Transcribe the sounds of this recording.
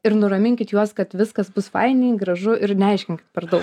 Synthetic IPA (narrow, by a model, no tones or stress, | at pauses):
ɪɾnʊɾɐmʲɪŋʲkʲɪt̪juɔskɐt̪ʋʲɪskɐsbʊsfɐɪnʲɪːɡɾɐʒʊʔɪɾnʲɛɛɪʃʲkʲɪŋʲkʲɪt̪pʲɛɾd̪ɐʊk